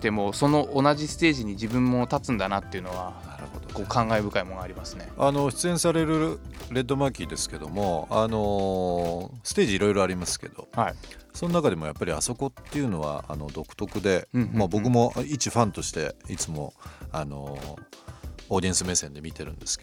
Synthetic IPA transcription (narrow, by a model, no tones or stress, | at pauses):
t̪e̞mo̞ːso̞no̞ʔonaʑisɨ̥t̪e̞ːʑiɲ̟id͡ʑibɯ̟̃mːo̞t̪at͡sɨ̃nd̪anat̪ːeiɯ̟no̞βanaɾɯ̟̰ho̞d̪okoːkʰãŋɡaebɯ̟kaimoŋɡaːɾʲimasɨne̞ano̞ɕi̥t͡sɨẽsaɾe̞ɾɯ̟ | ɾe̞d̪ːo̞makʲid̪e̞sɨ̥ke̞d̪o̞mo̞ano̞ | sɨ̥t̪e̞ːʑiːɾo̞iɾo̞aɾʲimasɨ̥ke̞̰d̪̥o̞̰haiso̞nonakad̪e̞mo̞japːaɾʲia̰so̞ko̞t̪ːe̞iɯ̟no̞βa̰a̰no̞d̪o̞kɯ̟̥t̪o̞kɯ̟d̪e̞mabo̞kɯ̟mo̞it͡ɕiɸãnt̪o̞ɕi̥t̪e̞̰it͡sɨmo̞̰ano̞̰ | d̪ʲiẽsɨme̞ːsẽ̞nd̪e̞mʲit̪e̞ɾɯ̟̃nd̪e̞sɨ̥ke̥